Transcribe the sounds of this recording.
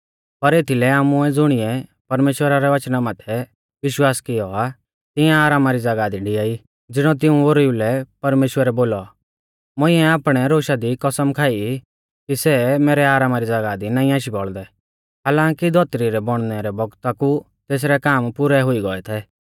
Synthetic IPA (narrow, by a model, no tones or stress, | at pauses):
pɐɾeːt̪ʰilɛaːmʊɛd͡zʊɽ̃ɪɛpɐɾmeːʃwəɾaɾɛʋɐt͡ʃnamaːt̪ʰɛ | ʋɪʃwaːskɪjɔa | t̪ɪjãːɾaːmaɾid͡zɐɡaːd̪iɖɪjaːi | d͡zɪɽ̃ɔ̃t̪̬ɪũoɾulɛpɐɾmeːʃwəɾɛboːlɔ | mʊ̃ɪ̃ɛaːpɽ̃ɛɾoːʃad̪ikɐsəmkʰaːi | kisɛmeːɾɛaːɾaːmaɾid͡zɐɡaːd̪inaːĩãːʃibɔɭd̪ɛ | ɦaːlãːŋkid̪ʱɔt̪ɾiɾɛbɔɽ̃nɛɾɛbɔɡt̪aku | t̪eːs̬ɾɛkaːmpʊɾɛɦʊiɡɔɛt̪ʰɛː